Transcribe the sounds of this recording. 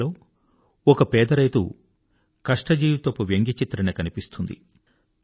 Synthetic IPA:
o̞ː | ɔkɐpɛːd̪ɐɾɐjt̪ṵ | kɐʂʈɐd͡ʒiːʋt̪ɐpuʋjeŋɡit͡ʃit̪ɾɐnɐkɐnipist̪und̪ḭ

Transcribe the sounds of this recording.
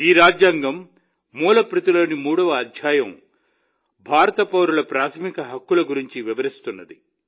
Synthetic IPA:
iːɾaːd͡ʒjaːŋɡɐmː | uːlɐpɾit̪uloːnimuːɽɐʋɐːd̪ʱjaːjɐm | bʱaːɾɐt̪ɐpɐʋɾulɐpɾaːt̪ʰɐmikɐɦɐkːulɐɡuɾiɲt͡ʃiʋiʋɐɾist̪unːɐd̪i

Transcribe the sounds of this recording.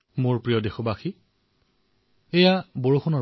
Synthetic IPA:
mʊɹpɹijɔdexɔbaxi | ejaboɹuxɔnɔ

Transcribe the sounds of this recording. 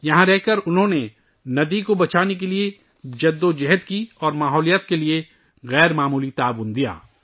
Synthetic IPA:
jɐɦãɾɛɦkɐɾʊnɦõne | nɐd̪ikobɐt͡ʃaːnek̬elie | d͡ʒɐd̪ːod͡ʒɛɦəd̪kiɔːɾmaːɦɔːlijət̪̚kelie | ɣɛːɾmaːmuːlit̪aːʋʊnd̪ija̰ː

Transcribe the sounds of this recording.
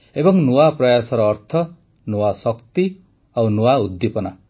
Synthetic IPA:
ebʌŋnuwaprʌjasʌɾʌːɾt̪ʰʌ | nuwasʌkt̪i | awnuwaud̪ːipʌna

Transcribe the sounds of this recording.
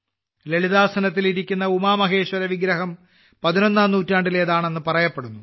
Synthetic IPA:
le̞ɭiðaːsɐnɐt̪̬ːiliɾikʲːunːɐumaːmɐɦe̞ːɕwɐɾɐʋiɡɾɐɦɐm | pɐðino̞nːaːmnuːtːaːɳɖile̞ːðaːɳe̞nːɨpɐrɐjɐpːe̞ɽunːu

